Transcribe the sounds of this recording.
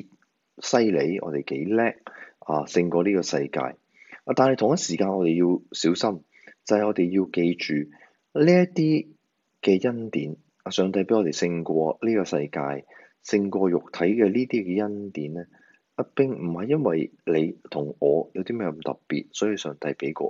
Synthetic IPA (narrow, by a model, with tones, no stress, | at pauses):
sɐ˥jle˨˥jʔɔ̰ː˨˧t̪e˨jke˨˥jlɛː˥k̚aː˨sɪ˧ŋkʷɔː˧liː˥kɔː˧sɐ˧jka̰ː˧j | aː˨t̪aː˨nhɐ˨jt̪ʰʊ˨ŋɐ˥t̚siː˨˩kaː˧nɔː˨˧t̪e˨jiː˧wsiː˨˥wsɐ˥m | t͡sɐ˨hɐ˨jɔː˨˧t̪e˨jjiː˧wke˧jt͡ʃyː˨ | liː˥jɐ˥t̪iː˥ | kɛː˧jɐ˥nt̪iː˨˥n | aː˨˩sœː˨ŋt̪ɐ˧jpe˨˥jŋɔː˨˧t̪e˨jsɪ˧ŋkʷɔː˧liː˥kɔː˧sɐ˧jkaː˧j | sɪ˧ŋkʷɔː˧jʊ˨k̚t̪ʰɐ˨˥jkɛː˧liː˥t̪iː˥kɛː˧jɐ˥nt̪iː˨˥nlɛː˥ | pɐ˥t̚pɪ˥ŋm̩˨˩hɐ˨jɐ˥nwɐ˨jle˨˧jt̪ʰʊ˨˩ŋɔː˨˧jɐ˨˧wt̪iː˥mɛː˥kmt̪ɐ̰˨ppːḭː˨t̚sɔː˨˥ji˨˧wsœː˨ŋt̪ɐ˧jpe˨˥jkɔ̰ː˧